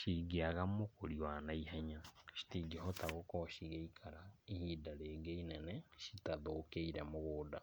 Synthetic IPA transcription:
ʃiɡeaɣamokoɾiwanaiɦaɲaʃi̥tiɡeɦɔtaɣokɔʃiɣeikʰaɾaehidaɾeːɡeinɛnɛʃitaðokeiɾɛmoɣoːda

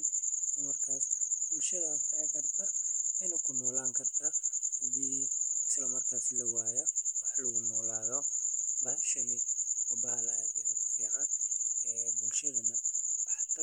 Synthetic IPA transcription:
ɪsɐmɐrkʰaːsb̥ʊlʃɐðaːsɐfɐrt̪ʰɐɪnɐkʰʊnɔːlaːŋkʰɐrt̪ʰɐhɐdiːɪslɐmɐrkʰaːslɐwaːjɛwɑħɑlɐɣʊnɔːlaːðɔbaʃɐnɪɐbaːlaɐɐɐʕaɛbʊlʃɐðɐnɐħat̪ʰɐ

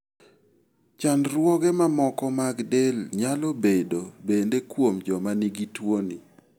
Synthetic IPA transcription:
t͡ʃanɾwɔɡemamɔkɔmaɡdelɲalɔbedobendekwomd͡ʒɔmaniɡitwonḭ

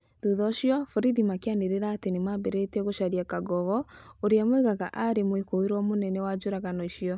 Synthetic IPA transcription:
tuðɔɕiɔfɔɾiðimakeaneɾeɾaːtenemabɛɾɛtɛɣoʃaɾiakaɡɔɣɔoɾeamoiɣaɣa̰ʔaɾemoekoiɾwɔmonɛnɛwad͡ʑoɾaɣanɔiɕiɔ

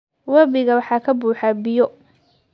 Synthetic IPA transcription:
wɐbɪɣɐwɑħɑːkʰɐbuːħabɪjɔ

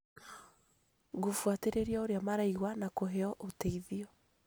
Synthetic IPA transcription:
ɡofwateɾeɾiaoɾeamaɾaiɣwanakoɦeɔʔoteiðiɔ

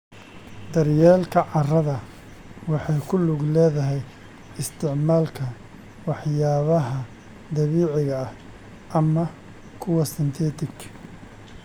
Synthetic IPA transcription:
d̪ɐrjɛːlkʰɐʕɑrɐðɐ | wɑħɑjkʰʊlʊɡlɛːðɐɦɛj | ɪst̪ʰɪʕmaːlkʰɐ | wɑħjaːβɐɦɐ | d̪ɐβiːʕɪɣɐɐh | ʔɐmɐ | kʰʊwɐsɪnt̪ʰɛːt̪ʰɪkʰ

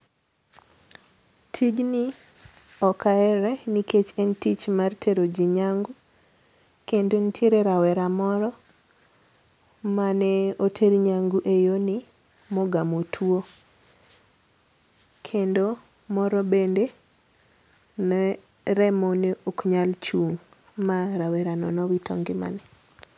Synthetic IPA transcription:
tʰid͡ʒni | ɔkaɛɾɛniket͡ʃɛntit͡ʃmartʰeɾod͡ʒiɲaŋɡu | kendontʰjeɾeɾawɛɾamɔɾɔ | manɛotʰeɾɲaŋɡuʔejoni | mɔɡamotʰwo | kʰendo | mɔɾɔbende | nɛ | ɾɛmɔneʔokɲalt͡ʃuŋ | maɾawɛɾanɔnɔwitʰɔ̰ŋɡɪma̰nɛ

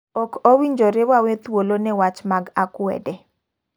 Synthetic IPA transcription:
ɔkowiɲd͡ʒɔɾewawɛt̪wolonɛwat͡ʃmaɡakwɛ̰dɛ

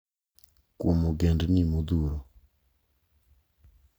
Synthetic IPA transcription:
kumuɡɛndinimud̪uɾɔ

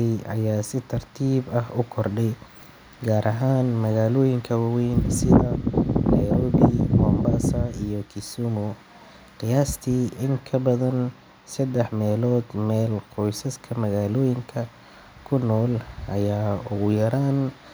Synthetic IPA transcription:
ɛjɐjaːsɪt̪ʰɐrt̪ʰiːbɐhʊkʰɔrɖɛj | ɡaːɾʔɐɦaːnmɐɣaːlɔːjɪŋkʰɐwawɛjnsɪðɐnɐjɾɔːbɪmɔːmbasɐijɔkʰisumɔ | qɪjaːst̪ʰiːʔɪŋkʰɐbɐðɐn | sɐd̪ɛħmɛːlɔːd̪mɛːlqɔjsɐskʰɐmɐɣaːlɔːjɪŋkʰɐ | kʰʊnɔːlʔɐjaːʊɣʊjɐɾaːn

